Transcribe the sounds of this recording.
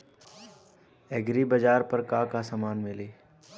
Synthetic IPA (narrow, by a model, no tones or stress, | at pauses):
ɛːɡɾibɐd͡ʒaːɾpɐɾkaːkasɐmaːnmɪleː